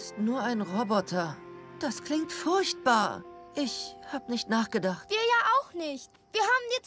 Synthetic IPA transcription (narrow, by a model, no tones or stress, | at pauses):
ɪstnuːɐaɪnʁɔbɔtʰɐ | d̥askl̥ɪŋk̚tfʊɐçt̚b̥aːɐʔɪçhaːbənɪçtnaːχɡ̥ədaχtviːɐjaːʔaʊxnɪçt | v̥iːɐhaːbm̩di